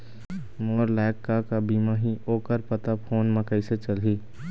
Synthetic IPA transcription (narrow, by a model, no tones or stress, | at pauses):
moːɾlɛːkːakabiːmaɦiʔoːkəɾpət̪apʰoːnmə̃kəiset͡ʃəlɦiː